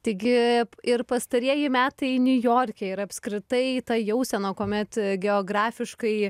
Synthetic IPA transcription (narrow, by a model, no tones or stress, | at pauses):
t̪ɐɪɡʲɪɪrpɐst̪ɐɾʲiɛjɪmʲæːt̪ɐɪnʲʊjoːɾʲkʲɛɪɾɐpskɾʲɪt̪ɐɪt̪ɐjɛʊsʲɛnoːkoːmʲɛt̪ɡʲɛoːɡɾɑːfʲɪʃkɐɪ